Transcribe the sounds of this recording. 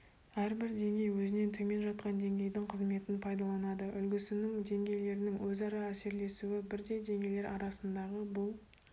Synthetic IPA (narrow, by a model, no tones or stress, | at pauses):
æɾbɪɾd̪e̞ŋɡʲe̞jwɵzɪne̞nt̪ʰɵme̞nʒɑt̪̚qɑnd̪e̞ŋɡʲe̞jd̪ɪŋqʰəzme̞t̪ɪnpʰɑjd̪ɑlˠɑnɑd̪əʔʏlɡʲɪsɪnɪŋd̪e̞ŋɡʲe̞jle̞ɾɪnɪŋwɵzɑɾɑæse̞ɾle̞suɪbɪɾd̪e̞jd̪e̞ŋɡʲe̞jle̞ɾʔɑɾɑsənd̪ɑʁəbʊlˠ